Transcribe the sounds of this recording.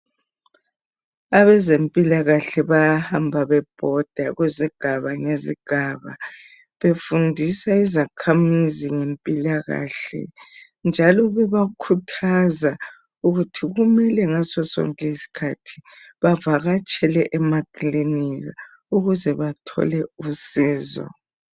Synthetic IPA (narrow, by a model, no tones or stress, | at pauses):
aβɛzempʼilaɣaɬɛβajahambʱaβɛb̥ʱɔd̥ʱaɣweziɡ̥ʱaβaŋezḭɡ̥ʱaːβa̰ | βefundʱisaizakʰamiziŋempʼilaɣa̰ːɬɛ̰ | nd͡ʒʱalɔβɛβakʰutʰaza | uɣutʰiɣumɛlɛŋasɔsɔ̰ŋkʼiisi̥kʰatʰi̥ | βavaɣat͡ʃʼɛlɛʔɛmakʼliniɣa | uɣuzɛβatʰɔ̰lɛusiːzɔ̰